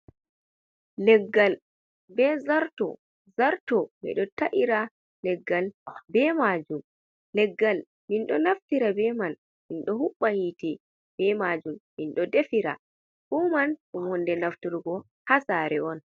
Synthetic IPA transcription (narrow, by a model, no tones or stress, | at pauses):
lɛɡːal | bɛzaɾtɔ̰ | zaɾtɔmɛ̰ɗɔtaʔiɾa | lɛɡːalbɛmad͡ʒum | lɛɡːal | minɗɔnaftiɾabɛman | minɗɔhuɓːahitɛ | b̥ɛmad͡ʒumːinɗɔdefiɾa̰ | ɗumankɔmɔndɛnaftuɾɡɔ | hasaɾɛɔn